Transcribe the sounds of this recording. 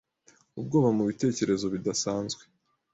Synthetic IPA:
ub̚ɡo̞ːβamuβite̞ːce̞ɾe̞zo̞βidasaːnzɡwe̞

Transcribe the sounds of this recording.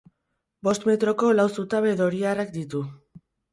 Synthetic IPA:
bo̞st̪me̞t̪ɾo̞ko̞lawsut̪aβeðo̞ɾiarak̚d̪it̪u

